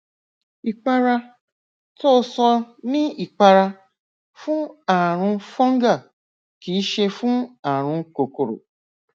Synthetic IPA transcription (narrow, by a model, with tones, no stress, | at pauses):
i˨k͡pa˧ɾa˧ | to˦sɔ˧nĩ˦i˨k͡pa˧ɾa˧ | fũ˦a˨ɾ̃ũ˧fɔ̃˦ŋ˦ɡa˦˨ | ki˨˦ʃe˧fũ˦a˨ɾ̃ũ˧ko˨ko˨ɾo̰˨